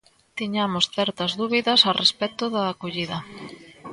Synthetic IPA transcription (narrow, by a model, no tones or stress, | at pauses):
t̪iɲamosθɛɾt̪ɐzðuβiðɐsarespɛt̪ʊðɐːkoʎiðɐ